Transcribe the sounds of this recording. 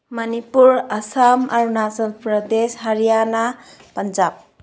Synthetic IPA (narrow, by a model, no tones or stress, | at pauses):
mʌnipuɾɐsama̰ɾunasənpɾʌd̪esɦəɾijana | pənd͡ʒab̚